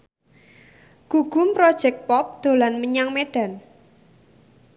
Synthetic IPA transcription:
ɡ̥ṳɡ̥ṳmpɾɔd̥ʒ̥ɛk̚t̚pɔp̚d̪̥o̤lanməɲaŋmeɖ̥a̤n

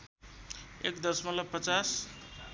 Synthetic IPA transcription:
ekd̪ʌsmʌlʌpʌt͡sas

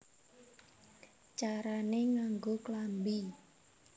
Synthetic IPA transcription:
t͡ʃaɾaneŋaŋɡoklambi

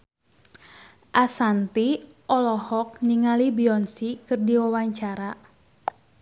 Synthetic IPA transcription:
ʔasant̪i | ʔɔlɔhɔk̚niŋalibiɔnsikɨrdiwawaɲt͡ʃaɾa

